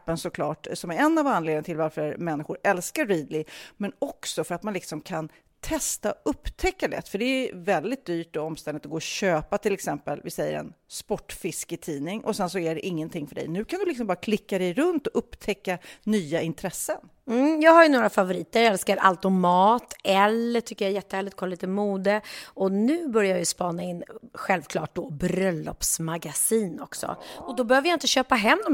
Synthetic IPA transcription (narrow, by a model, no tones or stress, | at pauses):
pːənsɔkʰlɑːʈsɔmæɾɛnːavanleːd̪t̪ʰɪlvaɾfœɾmɛnːɪɧʊɾɛlskaːiːd̪lɪmɛnɔksɔfœɾat̪manlɪksɔmkʰan | t̪ʰɛst̪aɵpːt̪ʰɛkːalɛ̰t̪ːfœɖɛːvɛld̪ɪt̪̚d̪yːʈɔɔmst̪ɛnd̪ɪt̪ɔɡoːɔɕøːpat̪ʰɪlɛksɛmpəlvɪsɛjːə̰ɾɛ̰nspɔʈːfɪskət̪ʰiːnɪŋʔɔ̰sɛnsɔæɖɛʔɪŋːənt̪ʰɪŋːfœɖɛ̰jnʉ̟ːkʰand̪ɵlɪksɔmbɑːɾakʰlɪkːad̪ɛjɾɵnt̪ɔʔɵpːt̪ʰɛkːanyːaɪnt̪ʰɾɛsːən | m̩jɑːɡɦhaɾjɵnoːɾafavʊɾiːt̪əɾjɛlskaɾʔa̰lt̪ɔmɑːt̪ɛlːəʈʰʏkːəjaɛjɛt̪ːəhæːlɪkt̪̚kʰɔliːt̪əmuːd̪əɔnʉ̟ːbœɾjajajɵspɑːnaɪnːɧɛlvkʰlɑːʈ̚d̪ɔbɾœlːɔ̰psmaɡasiːnɔ̰ksɔ̰ɔd̪ɔbɛhøːvəjaɪnt̪əɕøːpaɦɛmːd̪ɔm